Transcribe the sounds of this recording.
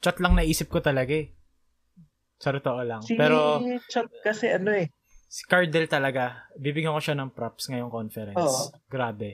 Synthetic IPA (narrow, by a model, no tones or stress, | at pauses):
t͡ʃɐt̪lɐŋnɐʔiːsɪp̚kot̪ɐlɐɡaɛ | sɐt̪ʊt̪oʔolɐŋpɛːɾot͡ʃat̪̚kɐsɛʔɐnoɛ | sɪ̥kaɹd̪ɛlt̪ɐlɐɡabibɪɡɐkoʃanɐŋpɾapsŋɐjoŋkonfɛɾɛnosɡɾaːbɛ